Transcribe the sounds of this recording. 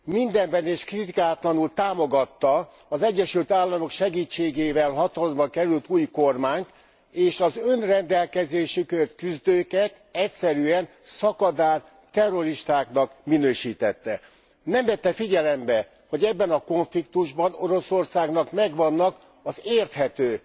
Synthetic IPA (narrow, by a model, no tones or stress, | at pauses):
mind̪ɛmbɛneːʃkrit̪ikaːt̪lɒnult̪aːmo̞ɡɒt̪ːɒː | zɛɟːɛʃylt̪aːlːɒmo̞kʃɛɡiːt͡ʃːeːɡeːvɛlɦɒt̪ɒlombɒŋkɛɾylt̪uːjko̞rmaːɲt̪ | eːʃɒzønrɛnd̪ɛlkɛzeːʃikørt̪kyzd̪øːkɛt̪ | ɛcsɛɾyɛn | sɒkɒd̪aːr | t̪ɛrːo̞ɾiʃt̪aːknɒkminøːʃiːt̪ɛt̪ːɛ | nɛmvɛt̪ːɛfiɟɛlɛmbɛ | ho̞ɟɛbːɛnɒko̞ɱflikt̪uʒbɒno̞ɾo̞so̞rsaːɡn̪ɒkmɛɡʋɒnːɒk | ɒzeːrt̪hɛt̪øː